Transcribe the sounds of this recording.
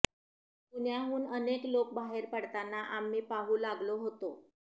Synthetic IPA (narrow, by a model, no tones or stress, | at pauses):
pun̤jaɦuːnəneklok̚baɦeɾpəɽt̪anːaʔamːiːpaɦuːlaɡloɦot̪o